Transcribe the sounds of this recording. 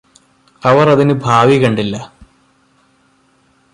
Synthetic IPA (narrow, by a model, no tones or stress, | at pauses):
ɐʋɐrɐðinɨbʱaːʋikɐɳɖilːɐ